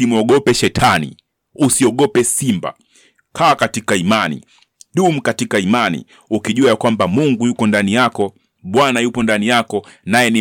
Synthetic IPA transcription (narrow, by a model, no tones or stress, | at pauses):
imuɔɠɔpɛʃɛtʰanḭ | usiɔɠɔpɛsimba̰ | kʰaːkatikaimanḭ | ɗum̩katikaimanḭ | ukiʄuajakwambamuŋɡujukɔndanijakɔ | ɓwanajupɔndanijakɔnajɛni